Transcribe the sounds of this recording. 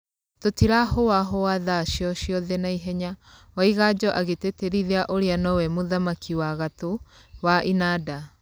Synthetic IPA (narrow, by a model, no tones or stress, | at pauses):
totiɾaɦowaɦowaðaʃjɔɕjɔðɛnaiɦɛɲawaiɣad͡ʒɔʔaɣeteteɾiðeaʔoɾeanɔwɛmoðamakʰiwaɣatowaʔinada